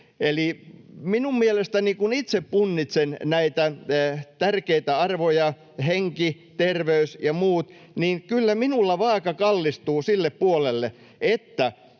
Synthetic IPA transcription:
eliminummielest̪ænikunit̪seppunːit̪sennæit̪æt̪ærkeit̪æɑrʋojɑ | heŋki | t̪erʋeysjɑmuːt̪ | niːnkylːæminulːɑʋɑːkɑkɑlːist̪uːsilːeppuolelːe | ʔet̪ːæ

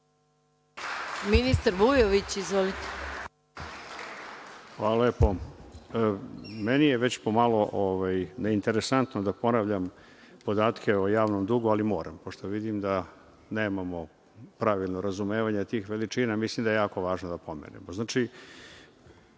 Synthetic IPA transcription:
minist̪aɾʋujoʋit͡ɕizʋolit̪e̥ | xaloleːpo̞ | menijeʋe̞t͡ɕpo̞malo̞ʔoʋajneint̪e̞ɾesant̪nod̪apo̞naʋʎam | po̞d̪aːt̪kʲʰeojaːʋnomd̪uɡualimo̞ːɾampo̞ʂt̪oʋid̪imd̪a | neːmamo̞ | pɾaʋilˠnoɾazumeːʋaɲet̪iːxʋeliʈ͡ʂiːnamislimd̪ajejaːko̞ʋaːʒnod̪apo̞mḛnḛmoznaːt͡ʃi

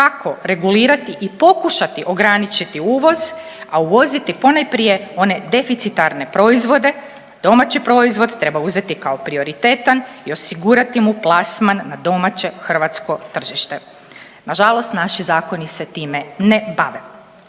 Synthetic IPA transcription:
kakʰo̞ɾe̞ɡuliːɾat̪iʔipo̞kuʃat̪iʔo̞ɡɾanit͡ʃit̪iuːʋo̞z | auʋo̞zit̪ipo̞najpɾije̞o̞ne̞d̪e̞fit̪sit̪aɾne̞pɾo̞izʋo̞d̪e̞ | d̪o̞mat͡ɕipɾo̞izʋo̞d̪t̪ɾe̞bauze̞t̪ikao̞pɾio̞ɾit̪e̞ːt̪anio̞siɡuɾat̪imuplˠasmanːad̪o̞mat͡ɕe̞xr̩ʋat̪sko̞t̪r̩ʒiʃt̪e | naʒalˠo̞st̪naʃizaːko̞niset̪iːme̞nebaʋe

